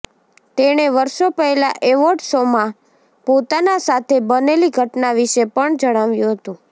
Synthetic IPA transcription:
t̪eɽ̃eʋəɾʃopəɛlaʔeʋoʈsomã | pot̪anasat̪ʰebəneliɡʱəʈnaʋiʃepəɳd͡ʒəɽ̃aʋjũɦət̪ũ

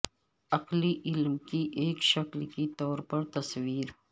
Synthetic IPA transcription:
ɐqliʔɪlmkiʔeːkʃɐklkit̪ɔːɾpɐɾt̪ɐswiːɾ

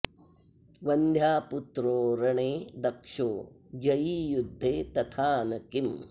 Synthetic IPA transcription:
ʋɐnd̪ʱjaːput̪ɾoːɾɐɳeːd̪ɐkʂoː | d͡ʒɐjijud̪ʱːeːt̪ɐt̪ʰaːnɐkim

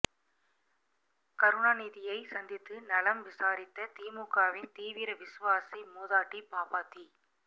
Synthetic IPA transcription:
kɐɾʊɳaːniːðɪjɐɪsɐnd̪ɪt̪ːɯnɐlɐmʋɪsaːɾɪt̪ːɐt̪iːmukːaːʋɪnt̪iːʋɪɾɐʋɪsɯʋaːsimuːðaːʈːipaːpaːt̪ːi

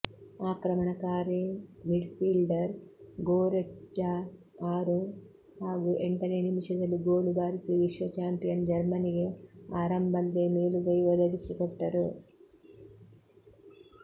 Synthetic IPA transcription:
aːkɾɐmɐnɐkaːɾimiɖpilɖɐɾɡoːɾed͡ʒa | aːɾu | haːɡuʔeɳʈɐnenimiʃɐd͡ʒɐluɡoːlubaːɾisiʋiʂʋɐt͡ʃaːmpijɐnd͡ʒɐɾmɐniɡɐaːɾɐmbʱɐlːeːmeːluɡɐjʋɔd̪ɐd̪isikɔʈːɐɾu

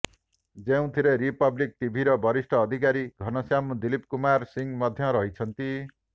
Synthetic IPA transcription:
d͡zew̃t̪ʰiɾeɾipʌblik̚t̪ibʱiɾʌbʱʌɾisʈʰʌːd̪ʱikaɾiɡʱʌnʌsjamud̪ilip̚kumaɾsiŋmʌd̪ʱjʌɾʌɦit͡sʰʌnt̪i

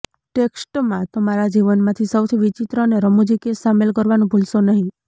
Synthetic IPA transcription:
ʈeksʈmãt̪əmaɾad͡ʒiʋənmãt̪ʰisəwt̪ʰiʋit͡ʃit̪ɾəneɾəmud͡ʒikesamelk̬əɾʋanũbʱulʃonəɦĩ

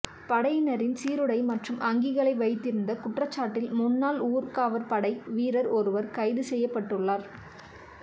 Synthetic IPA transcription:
pɐɽɐjnɐɾɪnsiːɾɯɽɐɪmɐʈrɯmʔɐŋɡɪɣɐɭɐɪʋɐɪt̪ːɪɾɯnd̪ɐkʊʈrɐt͡ʃːaːʈːɪlmʊnːaːluːɾkaːʋɐɾpɐɽɐɪʋiːɾɐɾɔɾɯʋɐɾkɐɪðɯsɛjːɐpːɐʈːɯɭːaːɾ

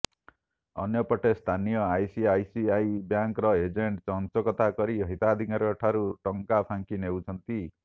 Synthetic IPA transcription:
ɔ̰njɔpɔʈʰest̪ʰanijɔajsiajsiajbjaŋkɾɔed͡ʒeɳʈt͡ʃɔnt͡ʃɔkɔt̪akɔɾiɔɦit̪ad̪ʱikaɾeɔʈʰaɾuʈɔŋkapʰaŋkinewt͡ʃʰɔnt̪i

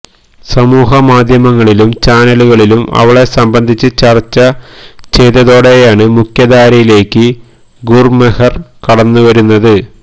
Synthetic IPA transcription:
sɐmuːɦɐmaːd̪ʱjɐmɐŋːɐɭilumt͡ɕaːnɐluɣɐɭilumɐ̰ʋɐɭe̞sɐmbɐnd̪ʱit͡ɕːɨt͡ɕɐrt͡ɕːɐt͡ɕe̞jt̪ːɐðo̞ːɽe̞jaːɳɨmukʰjɐd̪aːɾɐjile̞ːkːɨ | ɡurmehɐrkɐɽɐnːuʋɐɾunːɐðɨ

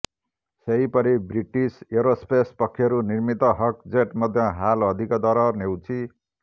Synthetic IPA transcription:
sejpʌɾibriʈiseɾospespʌkʰːiʌɾunirmit̪ʌɦʌk̚d͡zeʈmʌd̪ʱjʌɦalʌd̪ʱikʌd̪ʌɾʌnewt͡sʰi

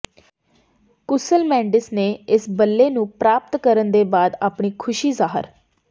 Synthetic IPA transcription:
kʊsəlmɛ̃ːɳɖɪsneːɪsbəlːeːnũːpɾaːp̚t̪kəɾənd̪eːbaːd̪a̰ːpɳiːkʰʊʃiːzaːɦə̰ɾ

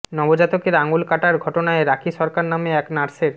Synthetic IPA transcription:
nɔbod͡ʑat̪okeɾaŋulkaʈaɾɡʱɔʈonaeɾakʰiʃɔɾkaɾnameɛknaɾseɾ

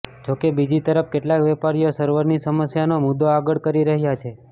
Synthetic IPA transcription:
d͡ʒokebid͡ʒit̪əɾəpkeʈlakʋɛpaɾijosəɾʋəɾnisəməsjanomʊd̪ːoaɡəɭkəɾiɾəɦjat͡ʃʰe

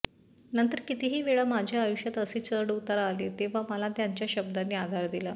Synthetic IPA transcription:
nənt̪əɾkit̪iɦiːʋeɭamad͡ʑʱjaːjuɕjat̪əseːt͡səɾɽut̪aɾːlet̪eʋ̤aməlat̪jaɲt͡ɕjaɕəb̚d̪anːiːad̪ʱaɾd̪ila

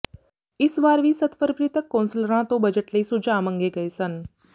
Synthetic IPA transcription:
ɪsʋaːɾʋiːsət̪fəɾʋɾɪt̪əkːoːnsələɾãt̪õbɐd͡ʒəʈləiːsʊd͡ʒaːmə̃ŋɡeːɡɐesən

